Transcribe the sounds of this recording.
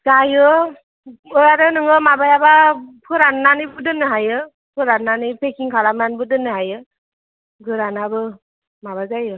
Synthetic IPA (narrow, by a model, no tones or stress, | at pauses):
zajɯ | ɔjaɾɯnɯŋɯmabajabapʰɯɾanːanibɯdɯnɯɦajɯ | pʰɯɾanːanipʰekʰiŋkʰaɾamanbɯdɯnɯɦajɯ | ɡɯɾanabɯ | maβazajɯ